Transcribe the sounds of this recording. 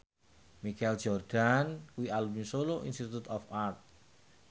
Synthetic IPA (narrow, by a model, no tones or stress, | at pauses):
mikald͡ʒɔrd̥ankuwialumisoloʔinst̪it̪ut̪ɔfart̪̚